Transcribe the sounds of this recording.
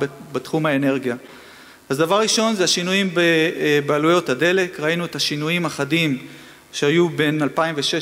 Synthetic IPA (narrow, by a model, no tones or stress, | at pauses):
bet̪χumhae̞ne̞ʁɡija | azdavaʁʁiʃo̞nzeaʃinujimbebealujo̞thade̞le̞kʁainuethaʃinujimaχadim | ʃehajube̞nalpaimveʃe